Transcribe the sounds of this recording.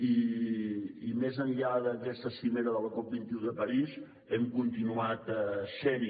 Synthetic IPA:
iː | mezənʎaðəkɛst̪əsimeɾəðələkɔp̚bint̪iuðəpəɾiz | ɛmkunt̪inuat̪sɛɾi

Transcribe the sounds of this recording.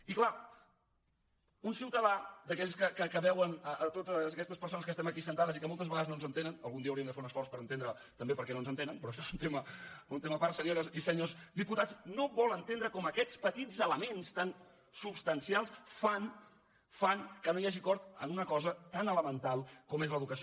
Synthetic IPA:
ikla | unsiwt̪əðad̪əkɛʎskəkəkəβɛwənəət̪ot̪zəkɛst̪əspəɾsonəskəst̪ɛməkisənt̪aðəzikəmolˠt̪əzβəɣaðəznonzənt̪enənə̰lˠɣund̪iəːwɾiəmd̪əfeunəsfɔrspəɾənt̪end̪ɾə | t̪əmbepəɾkɛnonzənt̪enənpɾɔʃɔezunt̪eməunt̪eməpaɾsəɾieɾəsisəɲozd̪iput̪at͡snoβɔlˠənt̪end̪ɾəkɔməkɛt͡spət̪id͡zələmenst̪an | supst̪ənsialˠsfan | faŋkənojaʒikɔɾt̪ə̰nunəkɔzət̪anələmənt̪alˠkɔmezləðukəs

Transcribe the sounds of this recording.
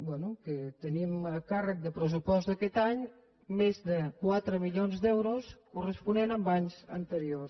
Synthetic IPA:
bwɛnukət̪əniməkarək̚d̪əpɾəs̬upɔst̪əkɛt̪aɲ | mezd̪əkwat̪ɾəmiʎonzd̪ɛwɾoskurəspunenəmbaɲzə̰nt̪əɾios

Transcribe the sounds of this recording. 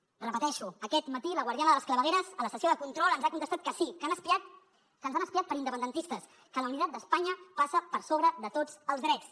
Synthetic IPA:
rəpət̪ɛʃuəkɛt̪mət̪iləɣwaɾðianəðələskləβəɣeɾəzələsəsioðəkunt̪ɾɔlˠənzakunt̪əst̪at̪̚kəsikənəspiat̪ | kənzanəspiat̪̚pəɾind̪əpənd̪ənt̪ist̪əs | kələwnit̪at̪̚d̪əspaɲəpasəpəɾsoβɾəðət̪od͡zəlˠzðɾɛt͡s

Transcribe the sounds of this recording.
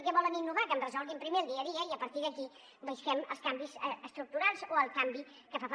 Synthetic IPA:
kɛβɔləninːuβakəmrəzɔlˠɣimpɾimelˠd̪iəðiəiəpəɾt̪iðəki | bəʃkɛmə̰lˠskambizəst̪ɾuk̚t̪uɾalˠzoəlˠkambi | kəfaf

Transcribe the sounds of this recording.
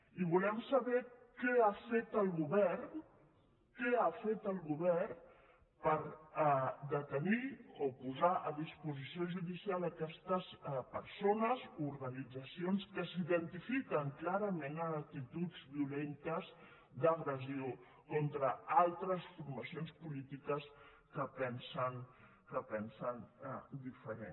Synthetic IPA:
iβulɛmsɐβɛkɛafet̪əlˠɣuβɛrn | kɛafet̪əlˠɣuβɛrn | pəɾ | d̪ət̪əniopuzaʔəðispuzisioʒuðisialˠəkɛst̪əspəɾsonəzouɾɣənid͡zəsionskəsiðənt̪ifikəŋklaɾəmenəːk̚t̪it̪ud͡zβiulent̪əz | d̪əɣɾəzio | kɔnt̪ɾəalˠt̪ɾəsfuɾməsionspulit̪ikəs | kəpɛnsən | kəpɛnsənd̪ifəɾḛn

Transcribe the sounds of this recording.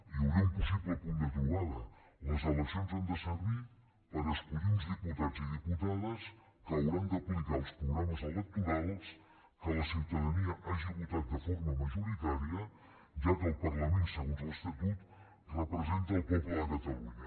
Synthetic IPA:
iuwɾampusit̪ləpund̪əʎuɣaðə | ləzələksijonzand̪əsəɾβi | pəɾəskuðinzðiput̪ad͡ziðiput̪aðəs | kəːwɾand̪əplikalˠspɾuɣɾaməzalət̪iðals | kələsiwt̪əðəniəaʒiβut̪at̪̚d̪əfoɾməməʒuɾit̪aɾiə | ʒakəːlˠpəɾləmensəɣonzələst̪ət̪ut̪ | rəpɾəzɛnt̪əːlpepeakət̪əluɲə

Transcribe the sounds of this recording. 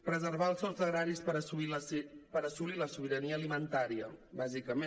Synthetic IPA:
pɾəzəɾβaəlˠsɔsəɣɾaɾispəɾəsuiləpəɾəsuliləsuβiɾəniəːlimənt̪aɾiəbazikəme

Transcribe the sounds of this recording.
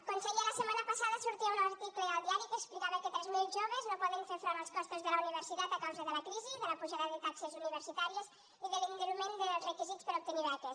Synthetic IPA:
konseɾialɐsemanapasaðɐsuɾt̪iunɾt̪iklealˠd̪iaɾikeːksplikaβɐket̪ɾezmewʒoβeznõpɔðeŋsefɾaɾalˠskɔst̪ozðelɐuniβeɾsit̪at̪akawzaðelɐkɾiziðəlapuʒaðaðet̪aksezuniβeɾsit̪aɾjes | iðeliŋɡɾumẽnd̪erekizit̪speɾop̚t̪uniβɛt̪es

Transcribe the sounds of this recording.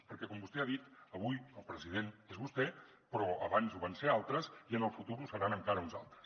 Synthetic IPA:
pəɾkɛkɔmbust̪ɛaðit̪əβujəlˠpɾəzið̞enezβust̪ɛ | pɾɔə̰βanzuβansealˠt̪ɾəziənəlˠfut̪uɾusəɾanəŋkaɾəunza̰lˠt̪ɾə̥s

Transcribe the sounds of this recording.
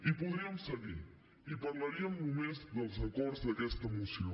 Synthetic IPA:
ipuðɾiɐmusɐɣiɾ | ipɐɾlˠɐɾiɐũnumẽzd̪ɐlˠzɐkɔɾd̪zðɐkɛst̪ɐmusjõ

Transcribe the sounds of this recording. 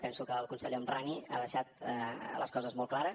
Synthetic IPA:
pɛnsukəːlˠkunsəʎeənrania̰ðəʃat̪lə̰skɔzəzmɔlˠklaɾə

